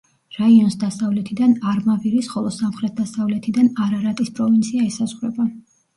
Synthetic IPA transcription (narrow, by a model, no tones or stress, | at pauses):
ɾaiɔnsd̪asavlɛt̪ʰid̪anaɾmaviɾisχɔlˠɔsamχɾɛt̪̚d̪asavlɛt̪ʰid̪anaɾaɾat̪ʼispʼɾɔvint̪sʰiaɛsazʁɾɛba